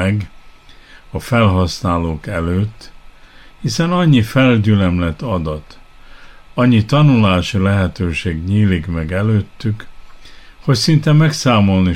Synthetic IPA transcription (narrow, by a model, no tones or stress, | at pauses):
ɛɡ | ɒfɛlɦɒsnaːloːkɛløːt̪ː | hisɛnɒɲːifɛlɟylɛmlɛt̪ɒd̪ɒt̪ | ɒɲːit̪ɒnulaːʃilɛɦɛt̪øːʃeːɡɲiːlikmɛɡɛløːt̪ːyk | ho̞csint̪ɛmːɛksaːmo̞lni